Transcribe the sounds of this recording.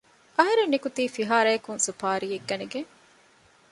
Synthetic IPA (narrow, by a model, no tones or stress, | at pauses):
ʔɐɦɐɾenːikut̪iːfiɦaːɾɐːkunsupaːɾiːeɡːɐneɡeŋ